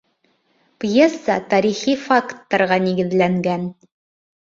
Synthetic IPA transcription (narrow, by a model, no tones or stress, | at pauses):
pjesːət̪ɑɾiχifakt̪ːɑɾʁɑniɡɘ̆ðlæŋɡæn